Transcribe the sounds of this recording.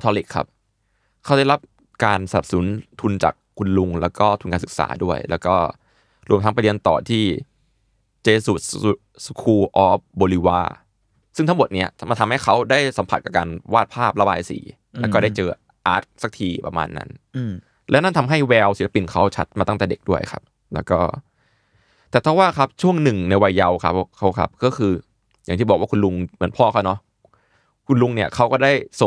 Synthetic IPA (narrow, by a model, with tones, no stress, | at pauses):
t̪ʰɔː˧li˨˩kʰːa̰˦˥˩p̚ | kʰa˦˥wda˥˩jla˦˥p̚ | kaː˧nsa˧˩na˨˩p̚su˩˦nt̪ʰu˧nt͡ɕa̰ː˨˩kʰːu˧nlu˧ŋlɛː˦˥wkɔː˥˩t̪ʰu˧nkaː˧nsɯ˨˩k̚sa̰ː˩˦du˥˩əjlɛː˦˥wkɔː˥˩ | ɾu˧mt̪ʰa˦˥ŋpa˧jli˧ənt̪ɔ̰ː˨˩t̪ʰiː˥˩ | t͡ɕeː˧su˨˩t̪̚ | su˧kʰuː˧ʔɔː˦˥p̚boː˧li˧wa̰ː˧˩ | sɯ˥˩ŋt̪ʰŋmo˨˩t̪̚ni˦˥ɐma˧nt̪ʰa˧mha˥˩jkʰa˦˥wdaː˥˩jsa˩˦mpʰa˨t̪̚ka˨˩kaː˧nwaː˥˩t̪̚pʰaː˥˩p̚ɾa˧ba̰ː˧jsḭː˩˦ | lɛː˦˥kɔː˥˩daː˥˩jt͡ɕɤː˧ | ʔa̰ː˦˥t̪̚sa˨˩k̚t̪ʰiː˧pɾa̰˧ma̰ː˧nːa̰˦˥n | lɛː˦˥na˥˩nt̪ʰa˧mɦa˥˩jwɛː˧wsi˨˦la˦˧pi˨˧˩nkʰa˦˥wt͡ɕʰa˦˥t̪̚maː˧t̪a˥˩ŋt̪ɛː˨˩de˨˩k̚du˥˩əjkʰa̰˦˥p̚ | lɛ̰ː˦˥wkɔ̰ː˥˩ | t̪ɛː˨˩p̪ʰa˦˥waː˥˩kʰa˦˥p̚t͡ɕʰu˥˩əŋnɯ˨˩ŋna˧jwa˧jːa˧wkʰa˦˥kʰa˦˥wkʰa̰˦˥p̚kɔː˥˩kʰɯː˧ | jaː˨˩ŋʰiː˥˩ɔ˨˩k̚waː˥˩kʰu˧nlu˧ŋmɯ˩˦ənpʰɔː˥˩kʰa˥wnɔ˦˥ | kʰu˧nlu˧ŋni˥˩ɐkʰa˦˥wkɔː˥˩daː˥˩jso˨˩ŋ